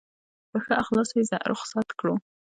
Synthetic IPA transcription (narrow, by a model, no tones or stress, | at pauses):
pəxəaxlɑsojeza̰ʔɾʔʊ̰χsɑt̪kɽu